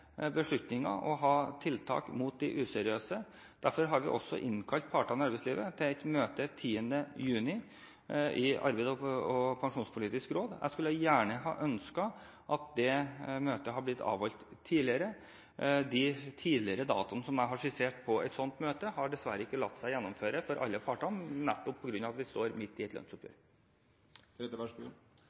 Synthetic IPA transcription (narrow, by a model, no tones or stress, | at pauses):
bəʂɭʉt̪nɪŋɑ̰ʔɔɦɑːt̪ʰɪlt̪ʰɑ̰ːkmuːt̪̚d̪ɪʔʉːsɛɾɪøːsə | d̪̥æɾfɔɾɦɑɾʋɪ̰ʔɔ̰sːɔ̰ʔɪnkʰɑlt̪̚pʰɑʈɑnɑɾbɛɪsliːʋət̪ʰɪlɛt̪møːt̪ət̪ʰiːənd̪əjʉːnɪ | ʔɪɑ̰ɾbæɪd̪ɔɔpʰɑŋʂuːnspʰʊliːt̪ɪskɾoːd̪æ̰ɪskʉlːəjæːɳəɦɑ̰ːʔœnskɑ | ʔɑt̪̚d̪ɛmøːt̪əɦɑblɪt̪ʰːɑ̰ːʋɔlt̪ʰːiːlɪəɾə | d̪ɪt̪ʰiːlɪəɾəd̪ɑ̰ːt̪ɑnəsɔmæɪɦɑʂɪseːʈpʰɔɛ̰t̪sɔnt̪møːt̪əhɑɖɛsʋæɾəɪkːəlɑt̪ːsæɪjɛnːɔmføːɾəfɔɾʔɑ̰lːəpʰɑʈɔmnɛt̪ːɔpʰːɔɡɾʉnːɑʋɑt̪ʋɪst̪oːɾmɪt̪ːɪɛt̪lœ̰nsʊpjø̰ːɾ | ɾɛt̪ːəʋæʂbṵ